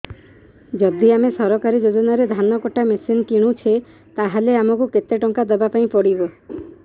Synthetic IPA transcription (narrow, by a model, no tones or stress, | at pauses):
d͡ʒɔd̪iamesɔɾɔkaɾid͡ʒod͡ʒɔnaɾed̪ʱanɔkɔʈamesinkiɽ̃ũt͡ʃʰe | t̪aɦaleamɔkuket̪eʈɔŋkad̪ɔbapaĩpɔɽibɔ